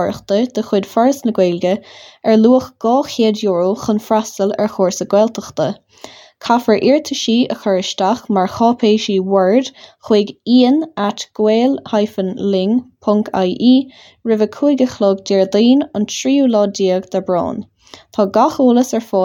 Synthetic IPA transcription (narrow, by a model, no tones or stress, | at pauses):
ɹə̰xt̪əd̪̥əxwɪd̪̥faɹəsnəɡweːlɡəɛɹluːəxɡ̥ɑːxeːdjoːɹəxənfɾasəlɛ̰ɹxoːɹsəɡwɛlt̪ʰəxt̪ə | kʰafəɹʔɪɹt̪ʰəʃiːʔəxɔɹəʃt̪axmaɹxɑːpʰeːʃiːwɛɹd̪̥xwɪːɡiːənat̪ɡ̥weːlhajfənlɪŋpʰʊŋka̰jʔiː | ɹɪvəkʰuɡəxlɔːɡd̪ɛːɹd̪iːnəntʰɾiːuːlɔːdiːəɡd̪̥abɹɔ̰ːn | t̪ʰɑːɡaxuːləsɛɹfɔː